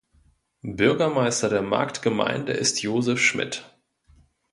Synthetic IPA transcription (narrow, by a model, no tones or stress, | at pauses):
bʏɐɡɐmaɪstɐdeːɐma̰ɐktɡ̥əma̰ɪndə̰ʔɪstʰjoːzɛfʃmɪ̰t